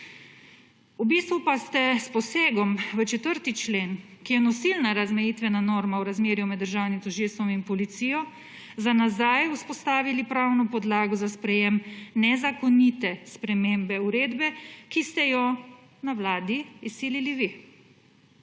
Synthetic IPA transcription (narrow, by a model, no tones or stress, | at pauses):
ubist̪ʋupast̪ɛspɔseːɡɔmʋət͡ʃɛt̪əɾt̪it͡ʃleːnkijɛnɔsilnaɾazmɛjit̪ʋɛnanoːɾmawɾazmeːɾjumɛd̪ːəɾʒaːwnimt̪uʒilsɔminpɔlit̪sijɔ | zanazajuspɔst̪aːʋilipɾawnɔpɔd̪laːɡɔzaspɾɛjemnɛzakɔnit̪ɛspɾɛmeːmbɛuɾeːd̪bɛkist̪ɛjɔ | nawlaːd̪iisiːliliʋi